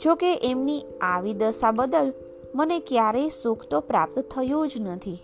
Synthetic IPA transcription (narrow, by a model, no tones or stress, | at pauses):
d͡ʒokeʔemni | aʋid̪əsabəd̪əl | mənekjaɾejsukʰt̪opɾa̰p̚t̪t̪ʰəjũd͡ʒnət̪ʰi